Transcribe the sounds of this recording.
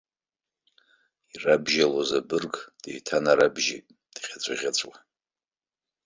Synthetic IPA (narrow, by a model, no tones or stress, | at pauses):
irabʒalozabɨrɡʼd̥ḛjtʰanaɾabʒḭtʼ | d̥ʁʲat͡sʷʼaʁʲat͡sʷʼwa